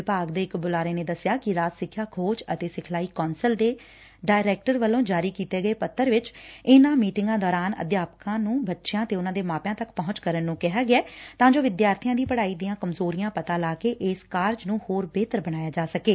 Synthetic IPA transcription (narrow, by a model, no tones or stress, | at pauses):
ɪpaːɡd̪eːɪkbʊlaːɾeːneːd̪əsɪjaːkɪɾaːsɪkʰːjaːkʰoːt͡ʃət̪eːsɪkʰlaːiːkɔːnsəld̪eː | ɖaːɪɾɛːk̚ʈəɾʋəlːõːd͡ʒaːɾiːkiːt̪eːɡəeːpət̪ːəɾʋɪt͡ʃɪnãːmiːʈɪŋɡãːd̪ɔːɾaːnə̰d̪jaːpkãːnũːbətːʃɪjãːt̪eːʊnãːd̪eːmaːpjãːt̪əkpɔɦʊ̃t͡ʃkəɾənːũːkɪɦaːɡɪɛːt̪ãːd͡ʒoːʋɪd̪jaːɾt̪ʰɪjãːd̪iːpəɽaːiːd̪ɪjãːkəmzoːɾijãːpət̪aːlaːkeːʔɪskaːɾd͡ʒnũːhoːɾbeːt̪əɾbəñaːjaːd͡ʒaːsəkeː